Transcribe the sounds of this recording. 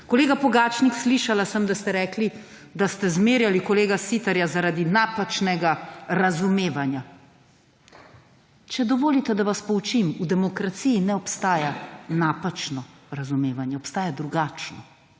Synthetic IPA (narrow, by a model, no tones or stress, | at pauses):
kɔleːɡapɔɡaːt͡ʃniksliʃalasəmd̪ast̪ɛɾɛːkli | d̪ast̪ɛzmeːɾjalikɔleːɡasit̪aɾjazaɾaːd̪inapat͡ʃnɛɡaɾazumeːʋanja | t͡ʃɛd̪ɔʋoːlit̪ɛd̪aʋaspɔut͡ʃimud̪ɛmɔkɾat̪sijːnɛɔpst̪aːjanaːpat͡ʃnɔ | ɾazumeːʋanjɛɔpst̪aːjad̪ɾuɡaːt͡ʃnɔ